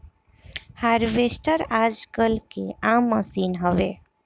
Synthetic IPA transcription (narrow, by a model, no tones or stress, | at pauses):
haɾbesʈəɾad͡ʒkəlkeamːəsinɦəbe